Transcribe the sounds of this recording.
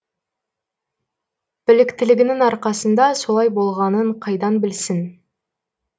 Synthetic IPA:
b̥ɪlɪkʲt̪ɪlɪɡʲɪnɪŋɑɾqɑsənd̪ɑso̞lˠɑjbo̞lˠʁɑnəɴqʰɑjd̪ɑnbɪlsɪn

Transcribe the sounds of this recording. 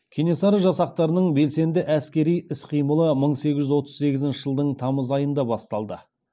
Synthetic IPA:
kʲʰene̞sɑɾəʒɑsɑq̚t̪ɑɾənəɴbe̞lse̞nd̪ɪʔæskʲe̞ɾijɪsqʰijməlˠəməɴse̞ɡʲɪʒʏzwo̞t̪əzse̞ɡʲɪzɪnʃɪʒəlˠd̪əɴt̪ʰɑməzɑjənd̪ɑbɑst̪ɑlˠd̪ə

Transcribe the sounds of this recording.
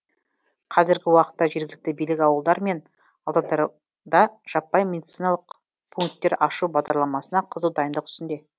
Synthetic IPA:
qʰɑzɪɾɡʲɪwɑqə̥t̪ːɑʒe̞ɾɡʲɪlɪk̚t̪ɪbijlɪkʲɑwəlˠd̪ɑɾme̞n | ɑlˠd̪ɑd̪ɑɾ | d̪ɑʒ̥ɑpːɑjmʲe̞d̪it̪sijnɑlˠəq | pʰuŋk̚t̪ːe̞ɾɑʃubɑʁd̪ɑɾlˠɑmɑsənɑqʰəzəwd̪ɑjənd̪əqʏ̥st̪ɪnd̪e̞

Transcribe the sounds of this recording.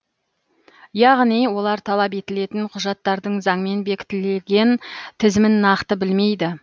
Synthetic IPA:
jɑʁnijwo̞lˠɑɾt̪ʰɑlˠɑpe̞t̪ɪle̞t̪ɪnqʰʊʒɑt̪ːɑɾd̪əɴzɑɴme̞nbe̞kʲɪ̥t̪ɪleɡʲe̞nt̪ʰɪzmɪnːɑqt̪əbɪlme̞jd̪ɪ

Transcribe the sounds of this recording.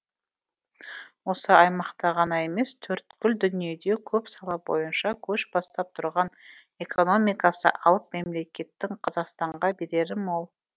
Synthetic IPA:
wo̞səɑjmɑqt̪ɑʁɑnɑe̞me̞st̪ʰɵɾt̪kʲʏld̪ʏnije̞d̪e̞kʲʰɵpsɑlˠɑp̚bo̞̰jənʃɑkʲʰɵʃbɑst̪ɑp̚t̪ʰʊɾʁɑn | e̞kʰo̞no̞mijkɑsə̰ʔɑlˠəp̚me̞mle̞kʲe̞t̪ːɪŋqʰɑzɑqst̪ɑɴʁɑbe̞ɾe̞ɾɪmo̞lˠ

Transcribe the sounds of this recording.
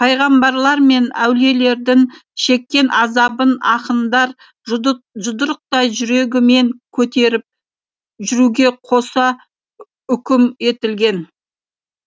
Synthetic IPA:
pʰɑjʁɑmbɑɾlˠɑɾme̞næwle̞le̞ɾd̪ɪŋʃe̞kʲːe̞nʔɑzɑbənɑqənd̪ɑɾ | ʒʊd̪əɾəq̚t̪ɑjʒʏɾe̞ɡʲɪme̞ŋkʲʰɵt̪e̞ɾɪp̚ | ʒʏɾuɡʲe̞qʰo̞sɑ | ʏkʲɪme̞t̪ɪlɡʲe̞n

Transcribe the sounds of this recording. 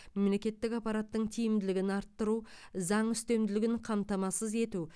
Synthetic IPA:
memle̞kʲe̞t̪ːɪkɑpɑɾat̪ːəɴt̪ʰijɪmd̪ɪlɪɡʲɪnɑɾt̪ːəɾuzɑɴʏst̪e̞md̪ɪlɪɡʲɪɴqʰɑmt̪ɑmɑsəze̞t̪u

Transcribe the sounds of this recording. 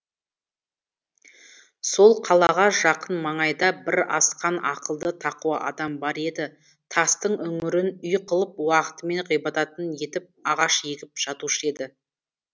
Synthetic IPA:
so̞lˠqʰɑlˠɑʁɑʒɑqənmɑɴɑjd̪ɑbɪɾɑ̰sqɑnʔɑ̰qəlˠd̪ət̪ʰɑquwɑʔɑ̰d̪ɑmbɑɾe̞d̪ɪ | t̪ʰɑst̪əɴɵŋɪɾɪnʏjqʰəlˠəp̚wɑqə̥t̪əme̞ɴʁijbɑt̪ɑt̪ənje̞t̪ɪp̚ɑʁɑʃjeɡʲɪp̚ʒ̥ɑt̪uʃəe̞d̪ɪ

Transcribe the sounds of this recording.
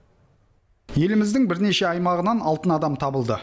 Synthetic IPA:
je̞lɪmɪzd̪ɪŋbɪɾne̞ʃe̞ɑjmɑʁənɑnɑlˠt̪ənɑd̪ɑmt̪ʰɑbəlˠd̪ə

